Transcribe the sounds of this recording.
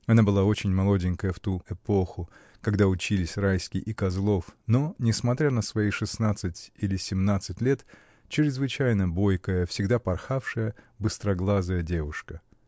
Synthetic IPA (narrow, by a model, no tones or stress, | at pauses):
ɐnabɨlˠao̞t͡ɕɪnʲmɐlˠodʲɪnʲkəjəft̪uɛpo̞xʊ | kɐɡd̪aʊt͡ɕilʲɪsʲrajskʲɪʔɪkɐzlˠo̞fnonʲɪsmɐt̪ɾʲanəsvɐijʂɨsnat̪sɨtʲilʲɪsʲɪmnat̪sɨtʲlʲe̞t̪ | t͡ɕɪɾʲɪzvɨt͡ɕæjnəbo̞jkəjəfsʲɪɡd̪apɐrxafʂɨjə | bɨst̪ɾɐɡlˠazəjədʲe̞vʊʂkə